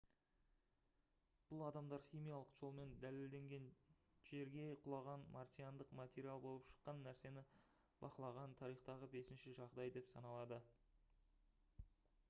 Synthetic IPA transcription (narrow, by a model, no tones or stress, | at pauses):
b̥ʊlˠɑd̪ɑmd̪ɑɾχʲijmijalˠəqʒ̥o̞lˠme̞nd̪æleld̪e̞ŋɡʲe̞nʒ̥e̞ɾɡʲe̞qʰʊlˠɑʁɑnmɑrt̪ʲijand̪əqmat̪ʲeɾʲialˠbo̞lˠəpʃə̥qːɑnːæɾse̞nɪ | b̥ɑqəlˠɑʁɑnt̪ʰɑɾijχt̪ɑʁəbe̞sɪnʃɪʒɑʁd̪ɑjd̪e̞psɑnɑlˠɑd̪ə